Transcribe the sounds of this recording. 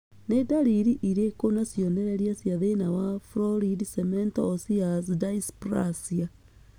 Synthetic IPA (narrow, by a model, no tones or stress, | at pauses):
nedaliɾiʔiɾekonasjondeɾeɾiasjaðenawafɾoɾidisementoːsias̬idaispɾa̰sia